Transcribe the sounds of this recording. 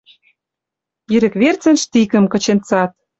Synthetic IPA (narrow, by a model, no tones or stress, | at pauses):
iɾɘ̆kβert͡sə̆nʃt̪ikə̆mkɤ̆t͡ɕent͡sɑt̪̚